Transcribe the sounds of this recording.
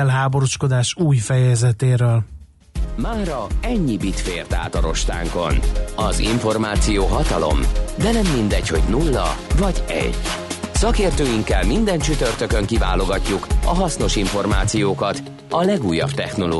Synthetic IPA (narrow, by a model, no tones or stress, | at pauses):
ɛlɦaːbo̞ɾoʃko̞d̪aːʃuːjfɛjɛzɛt̪eːɾøːl | maːɾɒɛɲːibit̪feːrt̪a̰ːt̪ɒɾo̞ʃt̪a̰ːŋko̞̰nɒzḭɱfo̞rmaːt̪sijoːɦɒt̪ɒlo̞̰md̪ɛnɛmːind̪ɛcho̞ɟnulːɒ̰vɒɟɛ̰ɟ̥sɒkeːrt̪øːjiŋkɛlmind̪ɛnt͡ʃyt̪ørt̪økøŋkiva̰ːlo̞ɡɒcːukɒɦɒsno̞ʃiɱfo̞rmaːt̪sijoːkɒt̪ | ɒlɛɡuːjːɒ̰b̥t̪ɛxno̞lo̰